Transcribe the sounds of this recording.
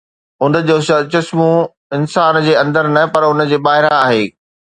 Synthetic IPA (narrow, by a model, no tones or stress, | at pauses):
ʊnd͡ʑoːsɐt͡ɕɐsmũ | ɪnsaːnd͡ʑeːɐ̃nd̪əɾnɐpɐɾʊnəd͡ʑeːbaːɦɪɾãaːɦeː